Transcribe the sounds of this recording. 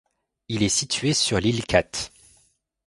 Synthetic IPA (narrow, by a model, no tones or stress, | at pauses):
ilɛsit̪ɥesyʁlilkʰat̪